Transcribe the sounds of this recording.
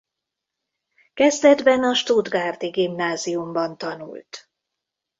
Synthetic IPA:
kɛzd̪ɛd̪bɛnɒʃt̪ud̪ɡaːrt̪iɡimnaːzijumbɒnt̪ɒnṵlt̪

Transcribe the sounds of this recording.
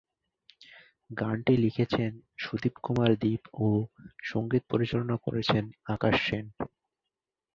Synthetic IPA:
ɡaɳʈilikʰet͡ɕʰenʃud̪ibkumaɾd̪ipoʃoŋɡit̪̚poɾit͡ɕalonako̰ɾet͡ɕʰenakaʃːen

